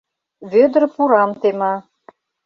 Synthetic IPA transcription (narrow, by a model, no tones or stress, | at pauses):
βød̪ərpuɾɑmt̪emɑ